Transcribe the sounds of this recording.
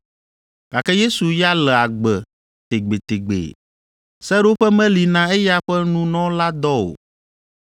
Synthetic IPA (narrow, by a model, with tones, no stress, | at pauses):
ɡ̥a˨kɛ˦je˦su˨ja˦lɛ˨a˨ɡ͡bɛ˨ | t̪e˨ɡ͡be˨t̪e˨ɡ͡bḛ˨ | sɛ˦ɾo˦ɸɛ˦mɛ̃˦li˨nã˦ɛ˦ja˦ɸɛ˦nũ˦nɔ̃˦la˦d̪ɔ˦o̰˨